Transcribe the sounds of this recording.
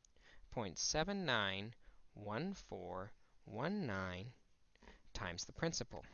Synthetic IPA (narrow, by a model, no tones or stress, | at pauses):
pʰɔ̃ɪ̃ntsɛvɨ̃nːãɪ̃nwʌ̃nfɔɹwʌ̃nːãɪ̃n | tʰãɪ̃mz̥ðəpʰɹ̥ɪ̃nsɨpl̩ˠ